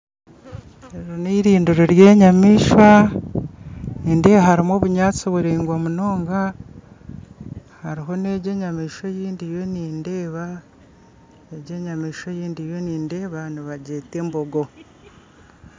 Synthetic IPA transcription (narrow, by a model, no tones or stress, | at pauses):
eɾoniːɾiːnduɾoɾje̞ːɲamiːʃwa | niːnde̞ːβahaɾimoːβuɲaːt͡siβuɾeːŋɡwomunoːŋɡa | haɾiɦo̞ne̞ɟe̞ɲamiːʃojiːndije̞niːnde̞ːβa | eɟe̞ɲamiːʃwojiːndije̞niːnde̞ːβaniβaɟe̞ːte̞mboɡo̞